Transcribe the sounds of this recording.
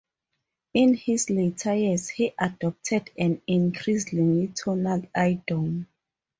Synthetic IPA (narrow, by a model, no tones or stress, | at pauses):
ĩnhisletʰajishiʔadɔp̚tʰɛdɛ̃nĩnkʰɹisĩŋitʰɔnalajdom